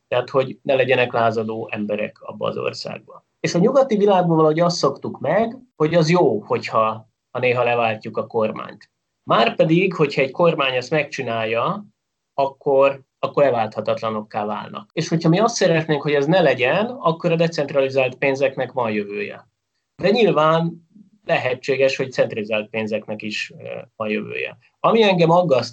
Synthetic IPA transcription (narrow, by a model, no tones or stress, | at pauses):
t̪ɛɦat̪ho̞ɟnɛlɛɟɛnɛklaːzɒd̪oːʔɛmbɛɾɛ̰kɒ̰bːɒ̰ːzo̞̰rsa̰ːɡ̚bɒ̰ | eːʃɒɲuɡɒt̪ivilaːɡ̚bovɒlɒɦo̞ɟɒst̪so̞kt̪ukmɛɡho̞ɟɒzjoːho̞chɒ | hɒneːɦɒlɛvaːlcːukɒko̞rma̰ːɲt̪ | maːrpɛd̪iɡho̞cʰhɒɛɟko̞rmaːɲɛst̪mɛkt͡ʃinaːjːɒ | ɒkːo̞r | ɒkːo̞ɾɛvaːlt̪hɒt̪ɒt̪lɒno̞kːaːva̰ːlnɒ̰keːʃho̞chɒmiɒst̪sɛɾɛt̪neːŋkho̞ɟɛznɛlɛɟɛnɒkːo̞ɾɒd̪ɛt̪sɛnt̪rɒlizaːlt̪peːnzɛknɛkʋɒnjøvøːjɛ̰ | d̪ɛɲilvaːn | lɛɦɛt͡ʃːeːɡɛʃho̞ct̪sɛnt̪rɒlizaːlt̪̚peːnzɛknɛkiʃvɒnjø̰vø̰ːjɛ̰ | ɒmiɛŋɡɛmɒɡːɒst̪